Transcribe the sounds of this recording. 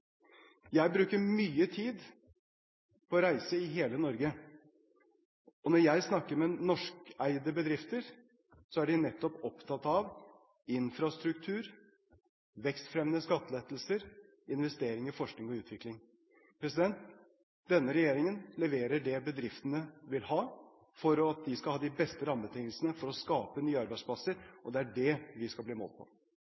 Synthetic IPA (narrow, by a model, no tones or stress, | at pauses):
jæɪbɾʉːkəɾmyːət̪ʰiːd̪ | pʰɔːɾæɪsəɪɦeːlənɔɾɡə | ɔnɔɾjæɪsnɑkːəɾmɛnɔʂkæɪd̪əbəd̪ɾɪft̪əɾ | sɔæɖɪnɛt̪ːɔpɔpt̪ʰɑt̪ɑʋ | ɪnfɾɑst̪ɾʉkt̪ʰʉːɾ | ʋɛkst̪fɾɛmnəskɑt̪ːəleːt̪l̩səɾ | ɪnʋɛst̪eːɾɪŋɪfɔʂknɪŋɔʉːt̪ʰʋɪklɪŋ | pʰɾɛsɪd̪ɛnt̪ | d̪ɛnːəɾɛjeːɾɪŋənlɛʋeːɾəɖɛbəd̪ɾɪft̪ənəʋɪlhɑː | fɔɾɔɑt̪̚d̪ɪskɑhɑːd̪ɪbɛst̪əɾɑmːət̪ʰɪŋːəlsənəfɔɾɔskɑːpənyːɑɾbæɪsplɑsəɾʔɔd̪ɛæɖɛʋɪskɑbliːmo̰l̚pʰɔ̰